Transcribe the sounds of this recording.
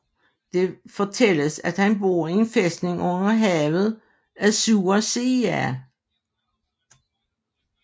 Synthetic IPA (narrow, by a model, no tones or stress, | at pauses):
d̥e̝fɒ̽t͡sʰel̰əsæd̥hænbo̝ːɐ̰ienfesd̥ne̝ŋʔɔ̽n̰ɐɦɛːʊð̞̩ˠ | æsuːɐse̝æ